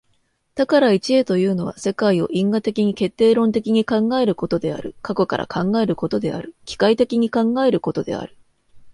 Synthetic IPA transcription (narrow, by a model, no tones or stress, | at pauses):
t̪akaɾait͡ɕiet̪o̞jɯ̟ːno̞β̞a̰se̞kaio̞̰ʔĩŋɡat̪e̞kʲiɲ̟ike̞t̪ːe̞ːɾõ̞nt̪e̞kʲiɲ̟ikãŋɡae̞ɾɯ̟ko̞t̪o̞d̪e̞a̰ɾɯ̟kako̞ka̰ɾʔa̰kʰãŋɡae̞ɾɯ̟ko̞t̪o̞d̪e̞̰a̰ɾɯ̟kʲi̥kait̪e̞kʲiɲ̟ikãŋɡae̞ɾɯ̟ko̞t̪o̞d̪e̞̰a̰ɾɯ̟̥